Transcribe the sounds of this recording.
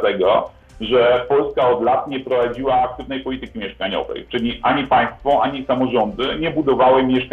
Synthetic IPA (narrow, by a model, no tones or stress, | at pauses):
t̪ɛɡɔ | ʐɛpɔlskaɔd̪lat̪ɲɛpɾɔvad͡ʑiwaːk̚t̪ɘvnɛjpɔlʲit̪ɘkʲimʲjɛʂkaɲɔ̰vɛ̰jt͡ʂɘlʲiʔaɲipaj̃st̪fɔʔaɲisamɔʐɔnd̪ɘɲɛbud̪ɔvawɘmʲjɛʂka